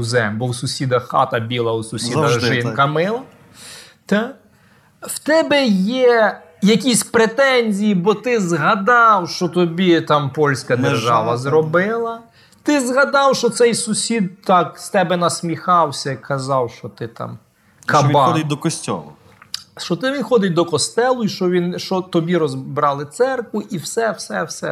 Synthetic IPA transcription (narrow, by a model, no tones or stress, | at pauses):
zɛmbɔwsʊsʲid̪ɐxxɑ̰t̪ɐbʲilˠɐusʊsʲid̪ɐxʒɪnkɐmɪlˠɐ | t̪ɛ | wt̪ɛbɛjɛ | jɐkʲisʲpɾet̪ɛnʲzʲijibɔt̪ɪzɦɐd̪ɑwʃt͡ʃɔt̪ɔbʲit̪ɑmpɔlʲsʲkɐd̪erʒɑʋɐzɾɔbɪlˠɐ | t̪ɪzɦɐd̪ɑwʃɔt̪sɛjsʊsʲid̪t̪ɑkst̪ɛbɛnɐsʲmʲixɑwsʲɐkʰɐzɑwʃt͡ʃɔt̪ɪt̪ɑ̰m | kɐbɑd̪ɪd̪ɔkɔsʲtʲɔ̰lˠʊ̰ | ʃt͡ʃɔt̪ɪʋʲinxɔd̪ɪt̪̚ʲd̪ɔkɔst̪ɛlˠʊiʃt͡ʃɔʋʲinʃt͡ʃɔt̪ɔbʲiɾɔzbɾɑlˠɪt̪sɛrkʋʊʔiwsɛwsɛwsɛ